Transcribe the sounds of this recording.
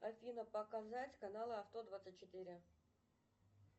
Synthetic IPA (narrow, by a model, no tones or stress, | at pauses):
ɐfʲinəpəkazatʲkɐnalˠəɐft̪od̪vat̪sɨtʲt͡ɕːɪt̪iɾʲɪ